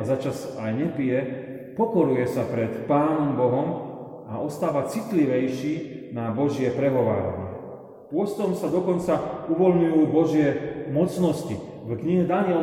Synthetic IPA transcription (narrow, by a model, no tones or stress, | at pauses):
zat͡ʃasajɲɛpijɛ | pɔkɔɾujɛsapɾɛt̪paːnɔmbɔɦɔm | aʔɔst̪aːʋat͡sit̪liʋɛjʃiː | nabɔʒɪɛpɾɛɦɔʋa̰ːɾa̰ɲɪɛ̰ | pʊɔst̪ɔmsad̪ɔkɔnt͡sauʋɔlɲujuːbɔʒɪɛmɔt͡snɔsci | vkɲiɦɛd̪anɪɛ